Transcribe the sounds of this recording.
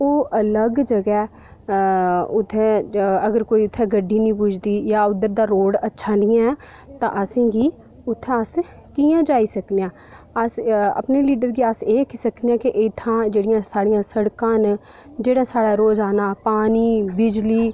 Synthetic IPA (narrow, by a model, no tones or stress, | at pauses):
oːʔələɡd͡ʒəɡɛː | ʊt̪ʰːɛ̃əɡəɾkoːiːʊt̪ʰːɛːɡəɖːiːnĩːpʊːt͡ʃʰd̪iːjaːʊd̪əɾd̪aːɾoːɽətːʃʰãːnɪ̃jãɛː | t̪ã̰ːʔəsĩːɡiː | ʊt̪ʰːɛ̃əs | kiːãːd͡ʒaːisəknejãː | əsə̰pneːliːɖəɾɡiaseːkisəkneãːkɪʔɪt̪ʰãːd͡ʒeːɽɪjãːsaːɽɪjãːsəɽkãːn | d͡ʒeːɽaːsaːɽaːɾoːd͡ʒaːnaːpaːniːbɪd͡ʒliː